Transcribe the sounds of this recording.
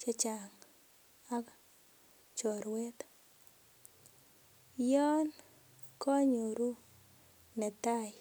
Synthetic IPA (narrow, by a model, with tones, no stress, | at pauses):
t͡ʃa˦t͡ʃa˨ŋ | a˦k | t͡ʃɔ˨ɾwɛ˦t̪ | jɔ˦n | kɔ˦ɲo˨ɾu˦ | nɛ˨t̪a˦j